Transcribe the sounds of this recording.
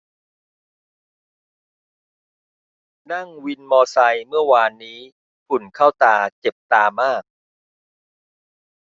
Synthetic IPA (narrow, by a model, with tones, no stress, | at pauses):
na˥˩ŋwi˧nmɔː˧sa˧jmɯ˥˩əwaː˧nːiː˦˥ | pʰu˨˩nkʰa˥˩wt̪aː˧t͡ɕe˨˩p̚t̪aː˧maː˥˩k̚